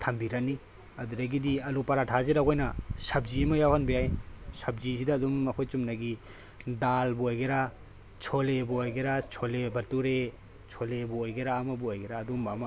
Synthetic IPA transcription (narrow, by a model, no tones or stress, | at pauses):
tʰɐmbiɾani | ɐduɾaɡidiɐlupaɾatʰaziɾaɡɔjnɐsɐbzimɐjawhanbiajsɐb̚zisidaːdumːɐkʰojt͡ʃumnaɡi | dalbuojɡeɾa | t͡ʃʰolebuojɡeɾat͡ʃʰolebɐɾtuɾe | t͡ʃʰolebuojɡeɾaːmɐbuojɡeɾaːdumbama